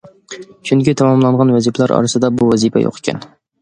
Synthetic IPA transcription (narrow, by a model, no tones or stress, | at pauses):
t͡ʃʰyŋkʲit̪ʰɑmɑmlˠɑɴʁɑnwɛzipʰɛlæɾɑ̰ɾɨsɨd̪ɑbuwɛzipʰɛ̰jo̰qʰe̥kʲʰɛ̰n